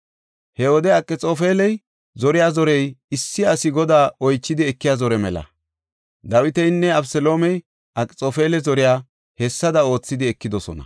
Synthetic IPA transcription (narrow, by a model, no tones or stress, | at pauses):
hɛɔd̪ɛɐkʼːɪt͡sʼo̞ːfeːlɛj | zɔɾɪjaːzɔɾɛjɪsːɪɐsɪɡɔd̪aːɔjt͡ʃːɪd̪ɪɛkːɪjaːzɔɾɛmɛlɐ̰ | d̪ɐwɪt̪ɛjnːɛɐbsɛlo̞ːmɛj | ʔɐkʼːɪt͡sʼoːfeːlɛzɔɾɪjaː | hɛsːɐd̪ɐo̞ːt͡sːɪd̪ɪɛkːɪd̪ɔsɔ̰nɐ̰